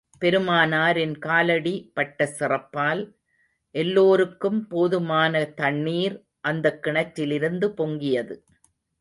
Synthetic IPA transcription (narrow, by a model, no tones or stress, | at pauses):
pɛɾɯmaːnaːɾɪnkaːlɐɽipɐʈːɐsɪrɐpːaːl | ʔɛlːoːɾɯkːɯmpoːðɯmaːnɐt̪ɐɳːiːɾ | ʔɐnd̪ɐkːɪɳɐtːɪlɪɾɯnd̪ɯpɔŋɡɪjɐðɯ